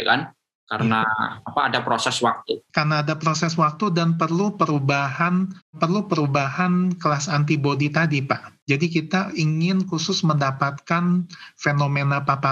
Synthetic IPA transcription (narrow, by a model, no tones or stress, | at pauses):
jaka̰n | kaɾəna̰apaːdapɾosɛswak̚t̪ukarnaːdapɾosɛswak̚t̪udanpərlupəɾubaɦanpərlupəɾubaɦankəlasant̪ibodit̪adipaʔd͡ʒadikit̪aiŋɪnkusʊsməndapat̪̚kanfenomenapapa